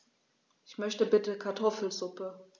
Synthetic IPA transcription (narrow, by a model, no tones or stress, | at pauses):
ʔɪçmœçtəbɪtəkʰaɐtʰɔfl̩zʊpə